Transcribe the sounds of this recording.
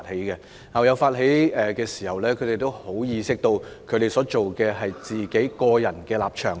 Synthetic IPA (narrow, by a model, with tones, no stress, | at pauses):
t̚he˨˥jkɛ˧ | hɐ˨˩wjɐ˨˧wfaː˧t̚ɦe˨˥jɛː˨kɛː˧siː˨˩hɐ˨wlɛː˥kʰɵ˨˧t̪e˨˩jt̪o˥who˨˥wjiː˧sɪ˥k̚t̪o˧wkʰɵ˨˧t̪e˨˩jsɔː˨˥t͡ʃo˨wkɛː˧ɦɐ˨jt͡siː˨ke˨˥jkɔː˧jɐ˨˩nkɛː˧laː˨p̚t͡ʃʰœː˨˩ŋ